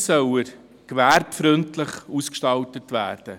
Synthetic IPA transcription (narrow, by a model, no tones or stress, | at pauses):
sœwəɾ | kʋæɾpfɾʏntlɪχuskʃtɑltətʋæ̰ːɾd̥ə